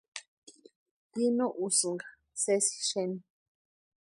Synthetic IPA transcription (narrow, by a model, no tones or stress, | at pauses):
jinõʔusũŋɡa | sesi̥ʃenĩ